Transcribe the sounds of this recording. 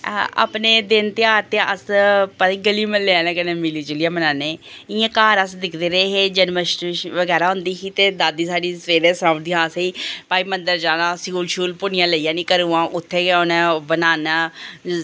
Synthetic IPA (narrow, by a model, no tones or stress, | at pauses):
a̰ːpneːd̪ɪnt̪ɪaːɾt̪eãʔəspaiːɡəliːməlleaːnãːkənẽːmɪliːd͡ʒɪlɪjãːmənaːneːɪãːkaːɾəsd̪ɪkʰd̪eːɾəeɦeːd͡ʒənməʃʃʋəɡɛːɾaːɦʊ̃nd̪iːɦiːt̪eːd̪aːd̪iːsaːɖiːsʋeːɾeːsãːmd̪iãːsĩːpaːiːmənd̪əɾd͡ʒaːnãːskuːlʃuːlpʊnɪjãːləijãːniːkəɾuːãːʔʊt̪ʰːeːkʊnẽːbənaːnaː